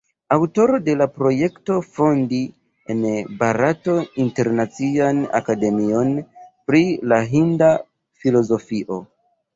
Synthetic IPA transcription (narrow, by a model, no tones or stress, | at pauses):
awto̞ɾo̞de̞lapɾo̞je̞kto̞fo̞ndi | enbaɾato̞inte̞ɾnat͡siana̰kade̞mio̞npɾilaɦinda | filo̞zo̞fiʔo̞